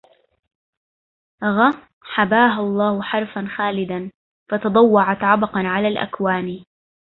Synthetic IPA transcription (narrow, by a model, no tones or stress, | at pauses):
ɣa | ħabaːɦʊlˤːɑːhʊħɑɾˤfanxaːlɪd̪an | fɑt̪ɑd̪ˤɑwːɑʕat̪ʕɑbɑqɑnʕalaːlʔa̰kwaːniː